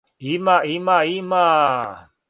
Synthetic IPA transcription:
imaʔimaima

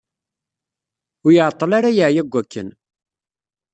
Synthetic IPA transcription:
ʊɾjəʕt̪ˤːəlaɾajəʕjæɡʷːækːə̰n

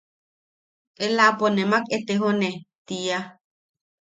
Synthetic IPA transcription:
ʔelaponemaket̪eɦonet̪ia

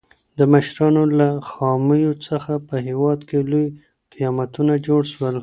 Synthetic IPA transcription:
d̪əməʃɾɑnolaxɑməjot͡səxapəɦewɑd̪keloj | qijɑmat̪unad͡ʒoɽʃwəl

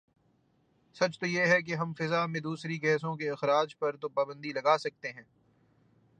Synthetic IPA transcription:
sɐt͡ʃt̪ojeɦɛk̬eɦɐ̃mfɪzamẽd̪uːsɾiɡɛːsõkeɐxɾaːd͡ʒpɐɾt̪opaːbə̃nd̪ilɐɡaːsɐk̚t̪eɦɛ̃ː

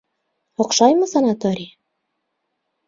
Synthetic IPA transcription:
oqʃɑjmɤsɑnɑt̪oɾʲij

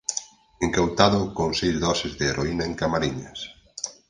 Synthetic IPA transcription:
eŋkawt̪aðʊkoŋsejzðɔsɪzðɪːɾʔoinaeŋkamaɾiɲɐs

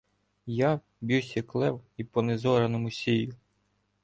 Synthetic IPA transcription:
ja | bʲiwsʲɐklˠɛwipɔnezɔɾɐnɔmʊsʲijʊ

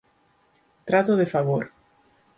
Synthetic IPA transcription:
t̪ɾat̪oðefaβoɾ

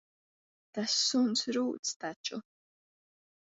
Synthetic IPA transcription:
t̪asːʊnt͡sɾuːt͡st̪at͡ʃʼʊ

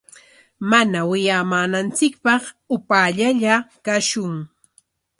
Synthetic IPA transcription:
manawɪjaːmaːnant͡sɪkpɑχ | ʊpaːʎaʎakaʃʊŋ

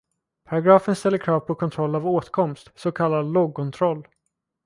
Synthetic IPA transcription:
pʰaɾaɡɾɑːfənst̪ɛlːəɾkʰɾɑːvpʰɔkʰɔnt̪ʰɾɔlːavoːt̪kʰɔmst̪sɔkʰalːad̪loːɡ̚kʰɔnt̪ʰɾɔlː

